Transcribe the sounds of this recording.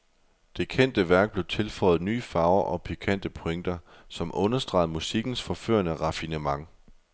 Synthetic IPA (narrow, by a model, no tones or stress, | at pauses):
d̥e̝kʰen̰d̥əʋæɐɡ̥̚b̥le̝ʊt͡sʰe̝lfɒ̽ɪð̩ˠny̰ːfɑ̈ʊɐʔɒ̽pʰikʰæn̰d̥əpʰo̝eŋ̰d̥ɐ | sɒ̽mʔɔ̽nɐsd̥ʁɑ̈ɪð̩ˠmusiɡ̥n̩sfɒ̽fø̰ɐnəʁɑ̈finəmɑ̈ŋ